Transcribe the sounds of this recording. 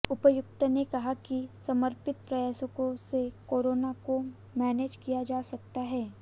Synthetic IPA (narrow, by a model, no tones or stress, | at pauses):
ʊpəjʊk̚t̪ənekɐɦakisɐməɾpɪt̪̚pɾɐjaːsəkõsekoːɾoːnako | mɛːneːd͡ʒkijad͡ʒaːsɐkt̪aɦɛː